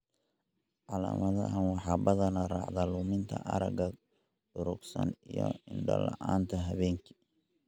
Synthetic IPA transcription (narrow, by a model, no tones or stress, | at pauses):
ʕɑla̰ːmɐðɐ̰ɦɐnwɑħɑːbɐðɐnɐrɑ̰ːʕðaluːmɪnt̪ʰɐʔɐɾɐɡɐ | ɖʊɾʊɡsɐnijɔɪɳɖɐlɑʔaːnt̪ʰɐɦɐβɛːŋkʰi̥